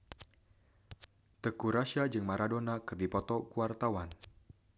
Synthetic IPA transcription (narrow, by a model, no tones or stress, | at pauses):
t̪əkuɾaʃad͡ʒɨŋmaɾadonakɨrdipɔt̪ɔkuwart̪awan